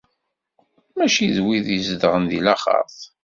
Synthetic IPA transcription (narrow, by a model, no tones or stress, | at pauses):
mæʃiðwiðizd̪ʁənðḭlæχɑ̰θ